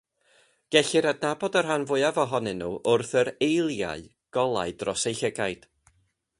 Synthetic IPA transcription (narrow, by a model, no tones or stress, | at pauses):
ɡ̥ɛɬɪɾadnabɔdərɦanvʊɨavɔɦɔnɨnṵːʔʊrθəɾejlˠja̰ɨ | ɡ̥ɔlˠa̰ɨdrɔsejɬəɡajd̥